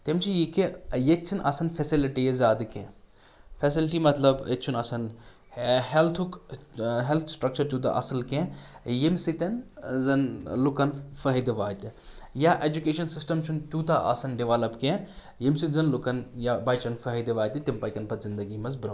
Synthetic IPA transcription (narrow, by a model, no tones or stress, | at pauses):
t̪imt͡ʃʰijikejett͡ʃʰinʔɐ̰sɐnfʰesiliʈijezaːd̪ɨkḛ̃ | fʰesilʈimɐt̪lɐbḛt͡ʃʰunɐsɐn | ɦelt̪ʰukɦelt̪ʰsʈɾɐk̚t͡ʃɐɾt̪ʲut̪̬a̰ʔɐ̰sɐlkẽjimsit̪ɐnzɐnlukɐnfɐɦid̪iʋaːjt̪ijaʔed͡ʒukeːʃɐnsisʈɐmt͡ʃʰunt̪ʲut̪aʔɐ̰sɐnɖiʋalɐpkẽ | jimsizɐnlukɐnjabɐːjt͡ʃɐnfɐɦid̪iʋaːt̪it̪impɐkɐnpɐt̪zind̪ɐɡimɐzbɾɐ